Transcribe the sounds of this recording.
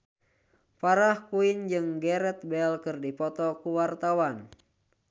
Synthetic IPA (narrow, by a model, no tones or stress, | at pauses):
paɾahkuind͡ʒɨŋɡɛɾɛt̪̚bɛlkɨrdipɔt̪ɔkuwart̪awan